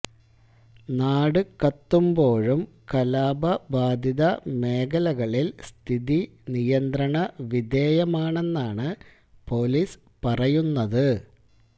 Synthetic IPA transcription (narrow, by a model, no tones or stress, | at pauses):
naːɽɨkɐt̪ːumbo̞ːɻum | kɐlaːbɐbaːd̪iðɐmeːɡɐlɐɣɐɭilst̪ʰiði | nijɐnd̪ɾɐɳɐʋid̪e̞ːjɐmaːɳe̞nːaːɳɨ | po̞lis | pɐrɐjunːɐðɨ